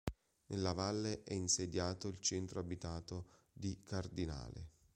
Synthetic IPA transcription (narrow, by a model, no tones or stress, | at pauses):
nʔelːavalːeʔɛinsed̪jaːt̪oilt͡ʃɛnt̪ɾoabit̪aːt̪o | d̪ikard̪ina̰ːlḛ